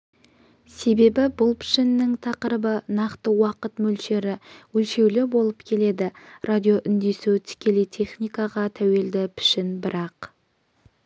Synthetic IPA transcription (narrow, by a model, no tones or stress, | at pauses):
se̞be̞bɪbʊlˠpʰɪ̥ʃɪnːɪŋt̪ʰɑqəɾəbənɑqt̪əwɑqət̪mɵlʃe̞ɾɪwɵlʃe̞wlɪbolˠəpkʲʰe̞le̞d̪ɪrʔad̪ʲijoʔʏnd̪e̞sut̪ʰɪ̥kʲʰe̞lejt̪ʰe̞χnijkɑʁɑt̪ʰæwe̞ld̪ɪpʰɪ̥ʃɪnbɪɾɑq